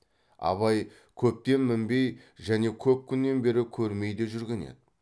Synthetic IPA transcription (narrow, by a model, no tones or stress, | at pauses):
ɑ̰βɑj | kʲʰɵp̚t̪e̞nmɪmbe̞j | ʒæne̞kʲʰɵp̚kʲʰʏnːe̞nbe̞ɾɪkʲʰɵɾme̞jd̪e̞ʒʏɾɡʲe̞nḛd̪ɪ